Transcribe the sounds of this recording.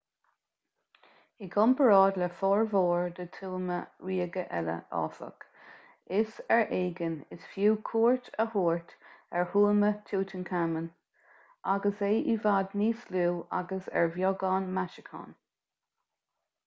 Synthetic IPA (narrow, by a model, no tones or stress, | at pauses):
iɡɔmpəɹɑːd̪lɛfɔːɹvoːɹd̪ət̪ʰuːməɹiːɡəʔɛ̰lə̰ʔɑ̰ːsə̰k | ɪsɛɹʔeːɡənɪsfjuːkʰuːɹt̪ʰəhuːɹt̪ɛɹhuːlmətʰuːt̪ʰənkʰamən | ʔaɡəseːʔivaːd̪niːsluːʔa̰ɡəsɛ̰ɹvjɔɡɑːnmaʃəkʰɑ̰ːn